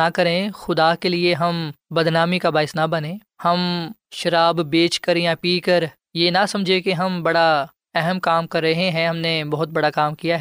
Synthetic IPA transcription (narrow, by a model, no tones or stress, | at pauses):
akɐɾẽxʊd̪aːkelieɦɐmbɐd̪naːmikabaːɪsnabɐnẽː | hɐmʃɐɾaːbbeːt͡ʃkɐɾẽjapiːkɐɾ | jenasɐ̃md͡ʒʱekeɦɐmbɐɽa | ɛɦɛmkaːmkɐɾːɐɦẽɦɛ̃ɦɐmnebɐɦʊt̪̚bɐɽakaːmkijaɦɛ